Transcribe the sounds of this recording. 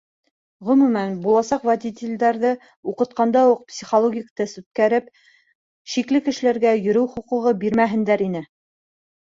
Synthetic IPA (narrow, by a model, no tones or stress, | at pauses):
ʁɵ̆mʉmænbulˠɑsɑqvæd̪ʲit̪ʲɪlʲd̪æɾðɤ | uqɤ̆t̪qɑnd̪ɑuq̚psʲiχolˠoɡʲikt̪ɤsʉt̪̚kæɾɘp̚ | ʃiklɘkɘ̆ʃɘ̆læɾɡæjɵ̆ɾɘwχŏqŭʁɤbiɾmæɦɘ̆nd̪æɾinɘ